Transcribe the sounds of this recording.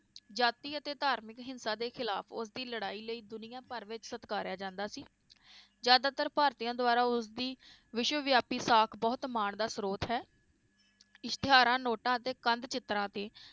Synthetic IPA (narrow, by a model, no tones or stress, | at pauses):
d͡ʒaːt̪iːət̪eːt̪aːɾmɪkɦɪnsãːd̪eːxʰɪlaːpʰʊsd̪iːləɽaːiːləiːd̪ʊnɪjãːpəɾʋɪt͡ʃsət̪kaːɾjaːd͡ʒãːnd̪aːsiː | d͡ʒjaːd̪aːt̪əɾpaːɾt̪ijãːd̪ʊaːɾaːʊsd̪iː | ʋɪʃwəʋjaːpiːsaːkʰbɔːt̪maːɳd̪aːsɾoːt̪ɦɛː | ɪʃt̪ɪɦaːɾãːnoːʈãːət̪eːkənd̪t͡ʃɪt̪ɾãːt̪eː